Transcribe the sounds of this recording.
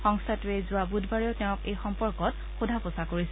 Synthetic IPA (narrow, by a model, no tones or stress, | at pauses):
xɔŋstʰatɹɛzʊabudʱbaɹiɔtɛʊ̃kejxɔmpɔɹkɔt̚ | xudʱapɔsakoɹisɛ